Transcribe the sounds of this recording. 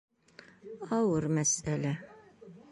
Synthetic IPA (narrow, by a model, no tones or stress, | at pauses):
ɑwɤɾmæsælæ